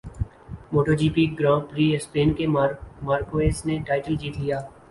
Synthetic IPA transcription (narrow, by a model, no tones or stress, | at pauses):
moːʈod͡ʒiːpiɡɾãːpɾiːespeːnkemaːɾkoeːsneʈaːɪʈəld͡ʒiːt̪lijaː